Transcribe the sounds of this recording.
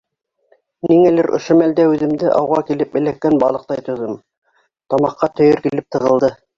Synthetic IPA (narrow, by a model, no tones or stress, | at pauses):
miŋælɘɾʔŏ̰ʃomæld̪æʉðɘ̆md̪ɘʔɑ̰wʁɑkilɘp̚bɘ̆lækːænbɑlˠɤ̆q̚t̪ɑjt̪ŏðɤm | t̪ɑmɑqːɑt̪ɵ̆jɵɾkilɘp̚t̪ɤ̆ʁɤ̆lˠd̪ɤ